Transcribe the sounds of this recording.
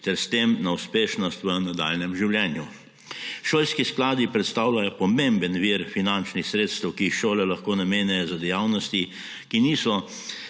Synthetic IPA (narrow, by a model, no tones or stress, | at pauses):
t̪ɛɾst̪eːmnauspeːʃnɔst̪ʋənad̪a̰ːlnɛmʒiwljɛːnju | ʃoːlskisklaːd̪ipɾɛt̪st̪aːwlajɔpɔmembənʋiɾfinant͡ʃnixsɾeːt̪st̪ɛwkiixʃoːlɛlaxkoːnameːnɛjɔzad̪ɛjaːwnɔst̪i | kiniːsɔ